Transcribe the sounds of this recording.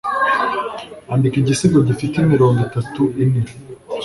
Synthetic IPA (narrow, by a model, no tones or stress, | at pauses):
andikiɟisiɡodufitemiɾo̞ːŋɡitatuʔini